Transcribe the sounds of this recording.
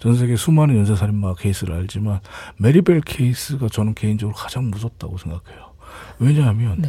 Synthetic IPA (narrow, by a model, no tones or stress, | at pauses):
t͡ɕʌns̬ʰe̞ɡesʰumanɯnjʌns̬ʰes̬ʰaɾimːakʰe̞is͈ʰɯɾɯ̰aʎd͡ʑimanme̞ɾibeɭkʰeis͈ɯɡat͡ɕʌnɯnke̞ind͡ʑʌɡɯɾokḁd͡ʑaŋmus̬ʰʌt̚t͈a̰ɡosʰe̞ŋɡakʰe̞jo | we̞ɲaɦamjʌn